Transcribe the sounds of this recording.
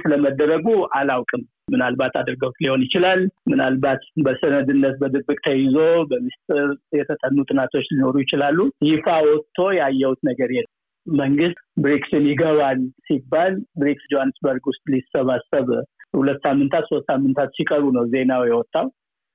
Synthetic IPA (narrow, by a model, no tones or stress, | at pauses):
t̪ləməd̪ːəɾəɡuʔalawkʼɨm | mɨnalbat̪ad̪ɨɾɡəwt̪liho̞njɪt͡ʃɪlalmɨnalbat̪bəsənəd̪ɨnːət̪̚bəd̪ɨbːɨkʼt̪ʰəjɪzo̞bəmist̪ʼɨɾjɛt̪ʰət̪ʼənːut̪ʼɨnat̪ʰo̞t͡ʃːlino̞ɾujɪt͡ʃɪlalːujɪfawɔt̪ʰːo̞jɛajːɛwut̪nəɡəɾjɛ | məŋɡɨst̪bɾiksɨnjɪɡəβalsibːalbɾiksd͡ʒohanːɨsbəɾɡwʊst̪ʼlisəβasəβhulət̪ːsamːɨnt̪ʰat̪so̞st̪samːɨnt̪ʰat̪sikʼəɾunəwze̞nawjɛwɔt̪ʼːaw